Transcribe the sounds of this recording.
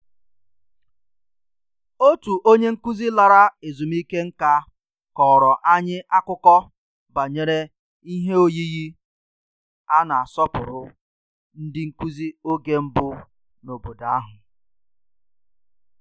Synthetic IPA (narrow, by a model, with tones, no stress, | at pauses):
o˦tu˨ʔo˦ɲe˦ŋ̩˦ku˦zi˦la˦ɾa˦e˨zu˨m˦i˦ke˦ŋ̩˦ka˦ | kɔ˨ɾɔ˨ʔa˦ɲɪ˦ʔa˦kʊ˦kɔ˦ | ba˨ɲe˨ɾe˦ | i˦ɦe˦o˦ji˦ɣi˦ | a˦na˨a˨sɔ˦pʊ˨ɾʊ˦ | n̩˦dɪ˦ŋ̩˦ku˦zi˦o˦ɡe˦m̩˦bʊ˦ | no˨bo˨da˨a˦ɦʊ˨